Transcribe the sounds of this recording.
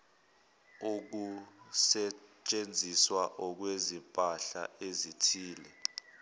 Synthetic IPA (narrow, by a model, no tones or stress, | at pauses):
ok̬usɛt͡ʃʼend͡zʱiswaʔɔk̬wezimpʼaɬa̰ezitʰiːlɛ